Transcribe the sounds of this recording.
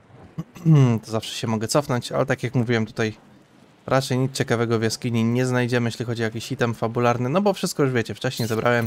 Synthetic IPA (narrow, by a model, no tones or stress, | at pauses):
t̪ɔzafʂɛ̥ɕɛmɔɡɛt̪sɔfnɔɲt͡ɕa̰lɛt̪akʲjakmuvʲiwɛmt̪u̥t̪aj | ɾʔat͡ʂɛjɲit̪t͡ɕɛkavɛɡɔvʲjaskʲiɲiɲɛznajd͡ʑɛmɘjɛɕʲlʲixɔd͡ʑiɔjakʲiɕit̪ɛmfabulaɾnɘnɔbɔfʂɘst̪̚kɔjuʐvʲjɛt͡ɕɛft͡ʂɛɕɲejzɛbɾʔawɛm